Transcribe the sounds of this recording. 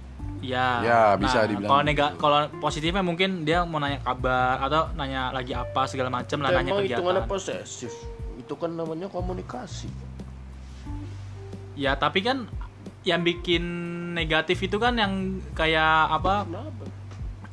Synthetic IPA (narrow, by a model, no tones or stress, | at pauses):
jajabinasadibilkaloneɡakaloposit̪ɪfɲamuŋkɪndiamanaɲakabarat̪awnaɲaʔlaɡiapasəɡalamat͡ʃəmlaaɲaaiɡiauŋanaposḛsɪfit̪ukanːamaɲakomunikasi | jat̪apikan | jaŋbikɪnːeɡat̪ɪfit̪ukanjaŋkajaʔːpaap